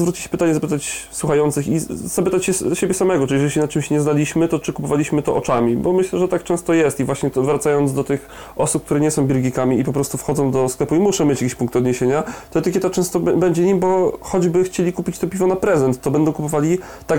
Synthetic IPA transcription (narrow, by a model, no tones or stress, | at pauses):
zvɾut͡ɕiɕɛ̥pɘt̪aɲɛzapɘt̪at͡ɕswuxajɔnt̪sɘxizapɘt̪at͡ɕɕɛɕebʲjɛsamɛɡɔʈ͡ʂɨlʲiʐɛiɕɛnat͡ʂɘmɕɲɛznalʲiɕmɘt̪ɔt͡ʂɘkupɔvalʲiɕmɘt̪ɔʔɔt͡ʂamʲibɔmɘɕlɛʐɛt̪akt͡ʂɛ̃w̃st̪ɔjɛst̪ivwaɕɲɛt̪ɔvɾat̪sajɔnd̪zd̪ɔt̪ɘx | ɔsupkt̪uɾɛɲɛsɔ̃w̃bʲilɡʲikamʲiipɔpɾɔst̪ufxɔd̪zɔ̃w̃d̪ɔsklɛpuimuʂɛmʲet͡ɕjakʲiɕpuŋkt̪ɔd̪ɲeɕeɲat̪ɔt̪ɘkʲeɛt̪at͡ʂɛ̃st̪ɔbɛɲd͡ʑɛɲimbɔxɔd͡ʑbɘxt͡ɕelʲikupʲit͡ɕt̪ɔpʲivɔnapɾɛzɛnt̪ːɔbɛnd̪ɔw̃kupɔvalʲi | t̪a